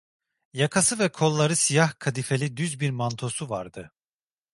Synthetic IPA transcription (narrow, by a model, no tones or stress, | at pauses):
jakʰasɯvɛkʰo̞lˠːaɾɯsijahkʰad̪ife̞lʲid̪yzbiɾmant̪ʰo̞suvaɾd̪ɯ